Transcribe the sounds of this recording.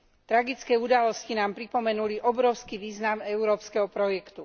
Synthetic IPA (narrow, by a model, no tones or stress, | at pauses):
t̪ɾaɡit͡skɛːud̪alɔscinaːmpɾipɔmɛnuliʔɔbɾɔʊskiʋiːznamɛʊɾɔːpskɛɦɔpɾɔjɛkt̪u